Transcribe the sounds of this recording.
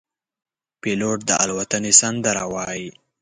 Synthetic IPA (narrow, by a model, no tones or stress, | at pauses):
peloʈ̚d̪əa̰lwat̪anesand̪əɾawɑji